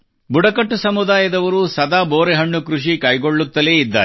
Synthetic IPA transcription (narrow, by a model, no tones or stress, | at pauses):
buɽɐkɐʈːusɐmud̪aːjɐd̪ɐʋɐɾusɐd̪aːboːɾɛɦɐɳːukɾuʂikɐjɡo̞ɭːut̪ːɐleid̪ːa̰ːe